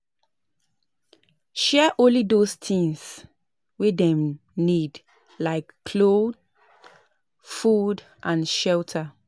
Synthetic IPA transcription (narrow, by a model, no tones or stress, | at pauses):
ʃɛʔõnlidostʰĩŋs | wedɛ̃m | nid | laɪkːʰ | lod | fud | ʔãnʃɛltʰə